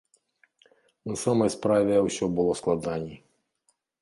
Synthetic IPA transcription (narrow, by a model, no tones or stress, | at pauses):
nasamɔjspɾaʋʲɛwsʲɔbʊlˠɔsklˠɐd̪anʲi